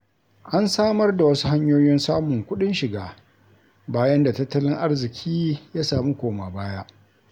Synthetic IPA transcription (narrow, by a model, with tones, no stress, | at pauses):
ʔa˦nsaː˦mɐ˦rda˨wɐ˦su̥˦ha˦ɲjoː˦jɪ˦nsaː˦mʊ˨ŋkʷʊ˦ɗɪ˦nʃɪ˨ɡaː˨ | baː˦jɐ˦nda˨tɐ˦tːɐ˦lɪ˦ŋʔa˦rzɪ˨kʲʰiː˦jaː˦saː˨mi˦kʷoː˨maː˨baː˦ja˦ʔ